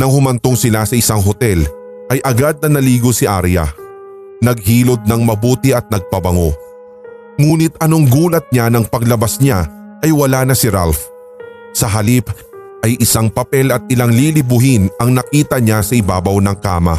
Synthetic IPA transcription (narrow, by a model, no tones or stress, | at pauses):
nɐŋhʊmɐnt̪oŋsɪlasɐʔɪsaŋɦot̪ɛl | ʔɐjʔɐɡad̪̚nɐnɐliːɡosɪʔa̰ɾjɐ̰ | nɐɡ̚ɦiːlo̞d̪̚nɐŋmɐbuːt̪ɪɐt̪̚nɐɡ̚pɐbɐŋo̞̰ | ŋuːnɪt̪ɐnoŋɡuːlɐt̪̚ɲanɐŋpɐɡlɐbasɲa | ʔɐjwɐlaːnɐsɪɾalf | sɐɦɐlip | ʔɐjʔɪsaŋpɐpɛlɐt̪̚ɪlaŋlilɪbʊɦɪnɐŋnɐkiːt̪ɐɲasɐɪbaːbɐwnɐŋka̰ːmɐ̰